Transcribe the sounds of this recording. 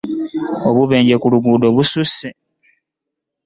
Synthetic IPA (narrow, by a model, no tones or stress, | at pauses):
oβuβe̞ːɲɟekuluɡuːdo̞βususe